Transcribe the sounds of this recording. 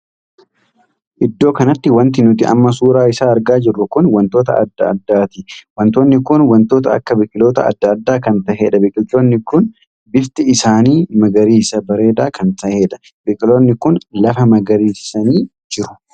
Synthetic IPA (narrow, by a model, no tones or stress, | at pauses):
ʔɪd̪ːo̞ːkɐnɐt̪ːɪwɐnt̪̬ɪnʊt̪ɪɐ̰mːɐs̬uːɾaːɪsaːɐɾɡaːd͡ʒɪrːʊkʊnwɐnt̪o̞ːt̪ɐ̰ɐ̰d̪ːɐɐ̰d̪ːaːt̪ɪwɐnt̪oːnːɪkʊnwɐnt̪o̞ːt̪ɐɐ̰kːɐbɪkʼɪlo̞ːt̪ɐɐ̰d̪ːɐːd̪ːaːkɐnt̪ɐheᶑɐbɪkʼɪt̪o̞ːnːɪkʊn | bɪft̪ɪɪsaːniːmɐɡɐɾiːsɐbɐɾe̞ːd̪aːkɐnt̪ɐʔeᶑɐ̥ | bɪkʼɪlo̞ːnːɪkʊnlɐfɐmɐɡɐɾiːɪ̥sɐniː | d͡ʒɪɾʊ̥